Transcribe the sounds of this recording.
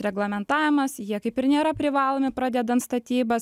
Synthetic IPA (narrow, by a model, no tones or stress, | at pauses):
ɾʲɛɡlˠɐmʲɛnt̪ɑːʋʲɪmɐsjiɛkɐɪpɪɾnʲeːɾɐpʲɾʲɪʋɑːlˠoːmʲɪpɾɑːd̪ʲɛd̪ɐnt̪st̪ɐt̪ʲiːbɐs